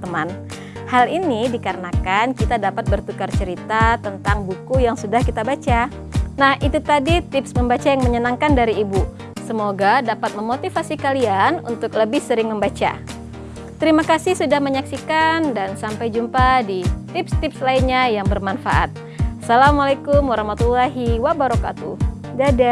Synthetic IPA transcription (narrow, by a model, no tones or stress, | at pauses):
t̪əman | halinidikaɾənakankit̪adapat̪̚bərt̪ukart͡ʃəɾit̪at̪ənt̪aŋbukujaŋsudahkit̪abat͡ʃa | nahit̪ut̪adit̪ɪpsməmbat͡ʃajaŋməɲənaŋkandaɾiːbu | səmoɡadapat̪̚məmot̪ifasikalianṵnt̪ʊkləbɪhsəɾɪŋməmbat͡ʃa̰ | t̪əɾimakasɪhsudahməɲaksikandansampajd͡ʒumpadit̪ɪpst̪ɪpslainɲajaŋbərmanfa̰ʔa̰t̪̚ | salamalakʊmwaɾahmat̪ulaɦiwabaɾɔka̰t̪u | dada